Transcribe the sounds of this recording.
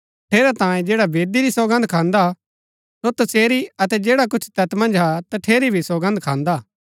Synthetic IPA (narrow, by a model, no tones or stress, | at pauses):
ʈʰeːɾat̪ãːjẽd͡ʒeːɽabeːd̪iɾisoːɡə̃nd̪̚kʰãːnd̪a | sot̪ɐseːɾiɐt̪ɛd͡ʒeːɽak̬ʊt͡ʃʰt̪ɐt̪mɐ̃nd͡ʒɦat̪ɐʈʰeːɾibʱisoːɡə̃nd̪kʰãːnd̪aː